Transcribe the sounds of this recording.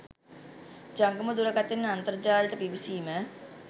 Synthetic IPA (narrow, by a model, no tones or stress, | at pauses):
d͡ʒaŋɡəməd̪uɾəkat̪ːenːəant̪əɾd͡ʒaːlʈəbiʋisiːmə